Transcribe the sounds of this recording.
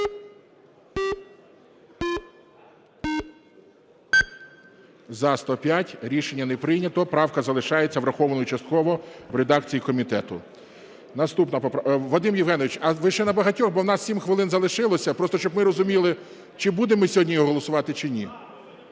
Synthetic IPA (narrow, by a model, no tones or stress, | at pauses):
zɐst̪ɔpʲjatʲɾʲiʃenʲːɐnɛpɾɪjnʲɐt̪ɔpɾɑwkɐzɐlˠɪʃɑjet͡sʲːɐʋɾɐxɔʋɐnɔjut͡ʃɐst̪̚kɔʋɔʋɾed̪ɑkt͡sʲijikɔmʲit̪ɛt̪ʊ | nɐst̪upnɐpɔpʋɔd̪ɪmjiwɦɛnɔʋɪt͡ʃɐʋɪʃt͡ʃɛnɐbɐɦɐtʲɔxbɔwnɑssʲimxʋɪlˠɪnzɐlˠɪʃɪlˠɔsʲɐpɾɔst̪ɔʃt͡ʃɔbmɪɾɔzʊmʲilˠɪ | t͡ʃɪbud̪emɪsʲɦɔdʲnʲijɔɦɔlˠɔsʊʋɑt̪ɪt͡ʃɪnʲi